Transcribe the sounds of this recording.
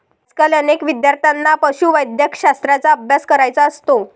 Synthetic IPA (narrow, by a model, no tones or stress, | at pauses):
t͡skalənekʋid̪jaɾt̪ʰanːapəɕuːʋəjd̪jəkɕast̪ɾat͡saəbʱjaskəɾajt͡saəst̪o